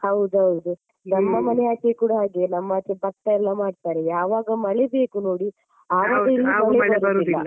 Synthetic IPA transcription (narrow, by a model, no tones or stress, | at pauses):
hɐwd̪uɦɐwd̪u | nɐmːɐmɐnɛjaːt͡ʃʰekuːɽɐɦaːɡenɐmːɐaːt͡ʃebɐʈːɐɛlːɐmaːɖt̪aːɾejaːʋaːɡɐmɐɭebe̞ːkuno̞ːɽi | aːʋaːɡɐilːimɐlɛbɐɾɐt̪ilːɐ̰